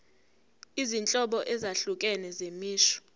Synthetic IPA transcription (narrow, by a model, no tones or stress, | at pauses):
izint͡ɬʼɔɓɔʔɛzaɬukʼɛnɛzemiːʃɔ̥